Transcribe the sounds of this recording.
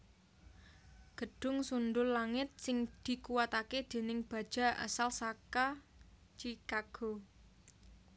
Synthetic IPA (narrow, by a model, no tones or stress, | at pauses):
ɡ̥ə̤ɖ̥ʊ̤ŋsundʊlːaŋɪt̪̚sɪŋd̪̥i̤kuwat̪aked̪̥e̤nɪŋb̥a̤d̥ʒ̥a̤ʔa̰salsaka | t͡ʃikaɡ̥o̤